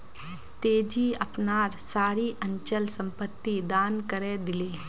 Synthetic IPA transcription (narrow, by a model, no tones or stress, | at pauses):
t̪eːd͡ʒiɐpnaːɾsaːɾiʔɐ̃ɲt͡ʃəlsɐ̃mpət̪ːid̪aːnkəɾẽd̪ɪleː